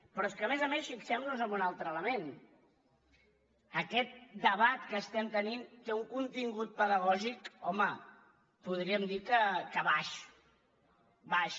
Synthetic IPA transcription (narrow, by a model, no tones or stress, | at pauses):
pɾɔeskəːmɛzəmesfiksɛmnuzəmbunalˠt̪ɾələmen | əkɛt̪̚d̪əβat̪kəːst̪ɛmt̪ənint̪euŋkunt̪iŋɡut̪̚pəðəɣ̞ɔʒikɔmə | puð̞ɾiəmd̪ikəkəβaʃ | baʃ